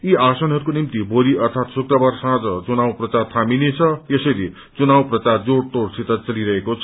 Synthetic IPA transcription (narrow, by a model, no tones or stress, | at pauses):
iasʌnɦʌɾukonimt̪iboɾiʌrt̪ʰat̪sukrʌbarsãd͡zʌt͡sunawprʌt͡sart̪ʰaminet͡sʰʌjesʌɾi | t͡sunawprʌt͡sard͡zoɽʈ̪oɽsit̪ʌt͡sʌliɾʌɦekot͡sʰʌ